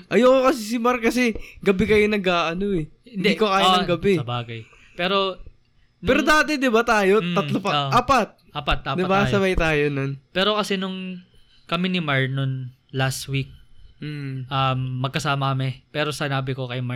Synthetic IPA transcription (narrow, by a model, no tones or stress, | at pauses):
ʔɐjoːkokɐs̬is̬ɪmaɾkɐsɛɡɐbɪkɐjonɐɡaːʔɐnoɛhɪ̃nd̪ɛikoʔaːoŋɡɐbɛɐbaːɡɐj | pɛːɾo̞ | npɛɾod̪aːt̪ɛd̪ɪbat̪aːjo̞mt̪ːɐlopɐoʔʔaːpɐt̪̚ʔaːpɐt̪̚ːaːpd̪ɪɐbasɐmɐjt̪aːjononpɛːɾo̞kɐsɛnʊŋ | kɐminɪmaɹnon | last̪wik̩̚ː | ʔɐmːɐɡ̚kːɐsaːmɐkɐmɪpɛːɾo̞sɪnaːbɪkokɐjma